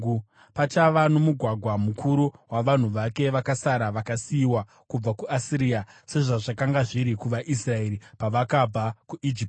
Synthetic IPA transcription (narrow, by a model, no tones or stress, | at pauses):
pat͡ʃaʋano̞muɡʱwaɡʱwamukʰuɾuwaʋan̤uʋake̞ʋakasaɾaʋakasiːwa | kub͡vakuasiɾiːase̞ʐaʐakaŋɡaʐiɾikuʋaʔisrae̞ɾipaʋakabʱakuʔid͡ʒip